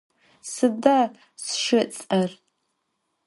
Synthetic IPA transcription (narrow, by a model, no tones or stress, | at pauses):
sɨda | sʃɨt͡sʼɐr